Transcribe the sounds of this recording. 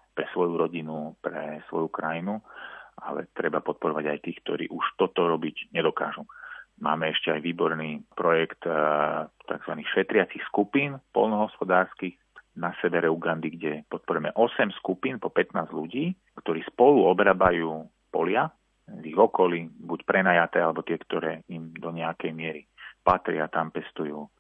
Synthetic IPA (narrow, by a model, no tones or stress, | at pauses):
pɾɛsʋɔjuɾɔɟinupɾɛsʋɔjukɾajinuʔa̰lɛ̰t̪ɾɛbapɔt̪̚pɔɾɔʋaɟajt̪iːxk̚t̪ɔɾḭːʔuʃt̪ɔt̪ɔɾɔbiɟɲɛd̪ɔkaːʒumaːmɛɛʃcɛajʋiːbɔɾniːpɾɔjɛkt̪ | t̪a̰ɡzʋanixʃɛt̪ɾɪat͡sixskupiːnpɔ̰lnɔɦɔspɔd̪aːɾskix | nasɛʋɛɾɛuɡand̪iɡɟɛpɔt̪̚pɔɾumɛʔɔsɛmskupiːnpɔpɛt̪naːzʎuɟiː | kt̪ɔɾiːspɔluɔbɾaːbajuː | pɔlɪa | ziɣɔkɔlibucpɾɛnaːjat̪ɛːalɛbɔt̪ɪɛkt̪ɔɾɛːimd̪ɔɲɛakɛjmɪɛɾipat̪ɾɪat̪ampɛst̪ujuː